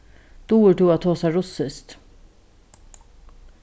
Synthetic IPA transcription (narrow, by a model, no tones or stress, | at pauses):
d̪̥uːəʈuːɑt̪ʰoːsɑɾʊsəst̪